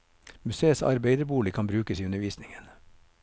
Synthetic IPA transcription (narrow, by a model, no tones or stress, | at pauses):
mʉseːəsɑ̰ɾbeɪd̪əbuːlɪkʰɑnbɾʉːkəsiːʉnəɾʋiːsnɪŋən